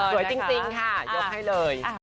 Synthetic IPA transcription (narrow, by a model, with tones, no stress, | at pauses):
əː˨˩˦t͡ɕi˧ŋt̪i˧˩ənaː˧˩zə˨˩ha˧jləː˨˩j